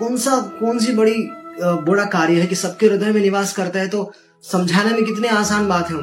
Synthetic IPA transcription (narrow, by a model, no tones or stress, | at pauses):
kɔːnsakɔːns̬ibɐɽiboɽakaːɾjəɦɛkisɐb̚keɾʊd̪əjmẽnɪʋaːskɐɾt̪aɦɛt̪oː | sɐ̃md͡ʒʱaːnemẽkɪt̪neaːsaːnbaːt̪ɦɛ